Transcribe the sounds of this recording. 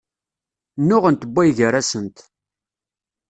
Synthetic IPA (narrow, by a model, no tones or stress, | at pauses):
nːʊʁənt̪əbʷːæjʝəɾæsənt̪